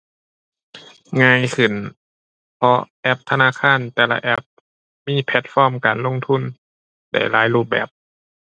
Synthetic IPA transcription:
ŋaː˧˥˨jkʰɯ˨˩n | pʰɔ˧ʔɛ˧˩p̚t̪ʰa˧naː˧˥˨kʰaː˧˥˨nt̪ɛː˨˧˩la̰˧ʔɛ˧˥˩p̚ | miː˧˥˨pʰɛ˧˥t̪̚fɔː˧˥˨mkaː˨˩nlo˧˥˨ŋt̪ʰu˧˥˩n | da̰˧˩jlaː˨˦˥jluː˧˩p̚bɛ̰ː˨˩p̚

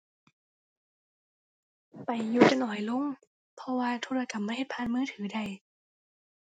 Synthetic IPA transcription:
pa˨˩jːuː˧˩ka˧nʔɔː˨˩˦jlo˧˥˨ŋ | pʰɔ˧waː˧t̪ʰoː˧ɾa˧ka˨˩p̚ma˧˩jhe˨˩t̪̚pʰaː˧˥˨nmɯː˧˥˩t̪ʰɯː˩˦da˧˩j

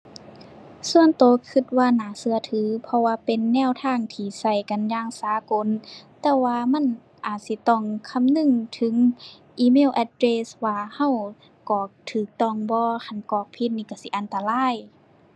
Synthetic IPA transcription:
su˧ənt̪oː˨kʰɯ˧˩t̪̚waː˧naː˨˩sɯ˧ɐt̪ʰɯː˨˦pʰɔ˧waː˧pe˨nːɛː˧˥˨wt̪ʰaː˧˥˨ŋt̪ʰiː˧˩sa˧˩jka˨njaː˧˨ŋsaː˨˦ko˧˨nt̪ɛː˧waː˧ma˧˥˨n | ʔaː˨˩t̪̚si˧˦t̪ɔ˧˩˨ŋkʰa˧˥˨mnɯ˧˨ŋt̪ʰɯ˨˦ŋ | ʔiː˧˩meː˧˥˨wʔɛ˧t̪̚ɾeː˧swaː˧ha˧˨w | kɔː˨˩t̪ʰɯː˨˩k̚t̪ɔ˧˩ŋbɔː˧kʰa˧˩˨nkɔː˧˩k̚pʰi˧t̪̚niː˧ka˧˩si˧˦ʔa˨nt̪a˧laː˧˥˨j

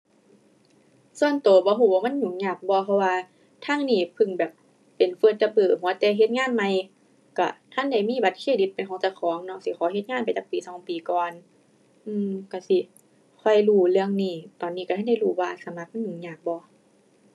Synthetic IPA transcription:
su˧ənt̪oː˨˦bɔː˧˦ɦuː˧˩˨waː˧ma˧˥˨nɲu˨˩ŋɲaː˧˩k̚bɔː˧˦pʰɔ˧waː˧ | t̪ʰaː˧˥˨ŋniː˧˩pʰɯ˧˩ŋbɛː˨˩p̚ː | e˨nfɤː˧˩t̪̚t͡ɕa˧bɤː˧˩huː˧˦˧t̪ɛː˧˩ɦe˧t̪̚ŋaː˧˥˨nma˧j | ka̰˧˩t̪ʰa˧˥˨nda˧˩˨jmiː˧˥˨ba˧˦t̪̚kʰeː˧˨di˧˦t̪̚pa˨jkʰɔː˨˦ŋt͡ɕa˧˩kʰɔː˨˦ŋnɔ˧˥si˧˦xʰɔː˨˦ɦe˧˦t̪̚ŋaː˧˥˨npa˨jt͡ɕa˧˦piː˨˦sɔː˨˦ŋpiː˨˩kɔː˨n | ʔɯː˧˨ka˧˩si˧˦ | kʰɔ˧˩jluː˧˩lɯ˧əŋniː˧˩t̪ɔː˨˩nːiː˧ka˧˩a˧˥˨da˧˩˨huː˧˩waː˧sa˨˧˦mla˧˥k̚ma˥˨nɲu˨˩ŋɲaː˧˩k̚bɔː˧˦

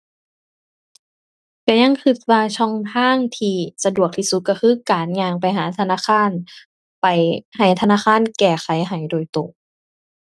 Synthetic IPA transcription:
pɛː˧˩ɲa˧˥˨ŋkʰɯ˧˩t̪̚waː˧t͡ɕʰɔ˧˥˩ŋt̪ʰaː˧˥˨ŋt̪ʰiː˧sa˧du˨˩ək̚t̪ʰi˧su˧˦kɔ˧˩kʰɯː˧˥˨kaː˨˦nɲaː˧˩ŋpa˨˩jɦaː˨˦t̪ʰa˧naː˧˥˨kxʰaː˧˥˨n | pa˨˩jha˨˩jt̪ʰa˧naː˧˥˨kʰaː˧˥˨nkɛː˧˩xʰa˨˦jɦa˨˩jdoː˨˩jt̪o˨˩ŋ

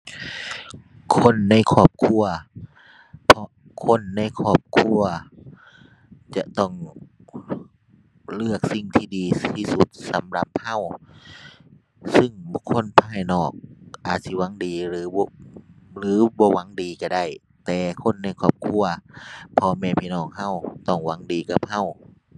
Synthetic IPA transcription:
kʰo˧˥˨nːa˧˥˨jkʰɔː˧˩p̚kʰu˧˩ɐ | pʰɔ˧ | kʰo˧˥˨nːa˧˥˨jkʰɔː˧˩p̚kʰu˧˩˨ɐ | t͡ɕa˧t̪ɔ˧˩ŋ | lɯ˧˩ək̚si˧˩ŋt̪ʰiː˧˩diː˨˦iː˧˩su˧˦t̪̚sa˨˦mla˧˦p̚ha˧˥˨w | sɯ˧˨ŋbu˧kʰːo˧˥˨npʰaː˧˩˨jnɔː˨˩k̚ʔaː˨˩t̪̚si˧˦wa˧˥˦ŋdiː˨ɾɯː˨˦blɯː˨˦bɔː˧˦wa˨˧˦ŋdiː˨ka˧˩da˧˥˩j | t̪ɛː˨kʰo˧˥˨nːa˧˩jkʰɔː˧˩p̚kʰu˧˩ɐpʰɔ˧mɛː˧˩pʰiː˧nɔː˧˩ŋha˧˥˨wt̪ɔ˧˩ŋwa˨˧˥ŋdiː˨ka˧˦p̚ha˧˥˨w

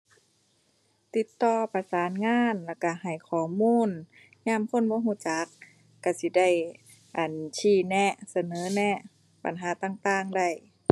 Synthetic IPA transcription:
t̪i˧˦t̪ːɔː˧pa˧saː˨˦nŋaː˧˥˨nla˧˩ka˧˩ha˨˩jkʰɔː˨˩˦muː˧˥˨n | ɲaː˧˥˨mkʰo˧˥˨nbɔː˧˦ɦuː˧˩˨t͡ɕa˨˦kː | a˧˩si˧˦da˧˩j | ʔa˨˩nt͡ɕʰiː˧˩nɛ˧sa˧nɤː˨˦nɛ˧ | ba̰˨nɦaː˨˦t̪aː˧˩˨ŋt̪aː˧˨ŋda˧˩j

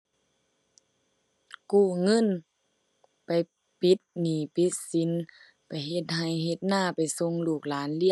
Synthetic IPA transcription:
kuː˧˩ŋɤ˧˥˨n | pa˨j | pi˧˦t̪̚niː˨˩˦pi˧˦t̪̚si˨˦n | pa˨˩jɦe˧t̪̚ɦa˨˩jɦe˧˦t̪̚naː˧˥˨pa˨˩jso˧˥ŋluː˧˩k̚laː˨˦nli˧˥˨

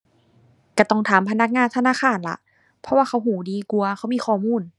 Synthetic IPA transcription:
ka˧˩t̪ɔ˧˩ŋt̪ʰaː˨˦mpʰa˧na˧˥˩k̚ŋaː˧˨nt̪ʰa˧naː˧˥˨xaː˧˩˨nla̰˧˦ʔ | pʰɔ˧waː˧˩xʰa˧˥˩wɦuː˨˩˦diː˧ku˧ɐxʰa˧˩˨miː˧˥˨xɔː˧˩muː˧˥˨n

